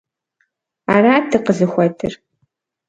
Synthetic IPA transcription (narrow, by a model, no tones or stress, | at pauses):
aːɾaːtʰɨqəɮɨxʷɔtʰɨ̰r